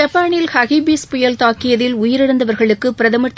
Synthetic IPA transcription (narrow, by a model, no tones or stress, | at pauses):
ɐpːaːɳɪlhɐɣibiːspʊjɐlt̪aːkːɪjɐðɪlʊjɪɾɪɽɐnd̪ɐʋɐɾɣɐɭɯkːɯpɪɾɐðɐmɐɾt̪ː